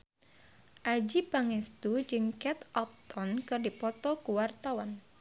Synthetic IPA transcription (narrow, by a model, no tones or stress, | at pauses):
ʔad͡ʒipaŋɛst̪ud͡ʒɨŋkɛt̪ʔɔp̚t̪ɔnkɨrdipɔt̪ɔkuwart̪awan